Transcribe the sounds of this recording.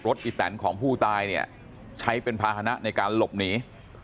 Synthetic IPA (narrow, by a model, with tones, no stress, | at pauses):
ɾo˦˥t̪̚ʔiː˨˧˩t̪ɛ̰˩˦nkʰɔː˩˦ŋpʰuː˥˩t̪aː˧jni˥˩ɐ | t͡ɕʰa˦˥jpe˧npʰaː˧haː˧na˦˥na˧jkaː˧nlo˨˩p̚niː˦˥